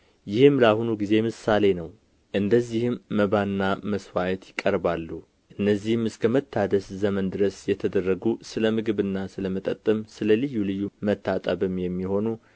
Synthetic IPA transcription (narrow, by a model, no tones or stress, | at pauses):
jɪhɨmlahunuɡize̞mɨsːale̞nəw | ʔɨnd̪əzːihɨmːəβanːaməswajɛt̪jɪkʼːəɾbalːu | ʔɨnːəzːihmɨskʰəmət̪ʰːad̪əszəmənd̪ɨɾəsjɛt̪ʰəd̪ərːəɡusɨləmɨɡɨβɨnːasɨləmət̪ʼət̪ʼːɨmsɨləlɨjːulɨjːumət̪ʰːat̪ʼəbɨmjɛmːiho̞nu